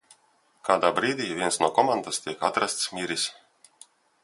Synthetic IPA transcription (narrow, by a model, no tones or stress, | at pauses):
kaːd̪aːbɾiːd̪ʲiːvʲiɛnsnuɔkɔmand̪ast̪ʲiɛkat̪ɾast̪smʲiɾisʲ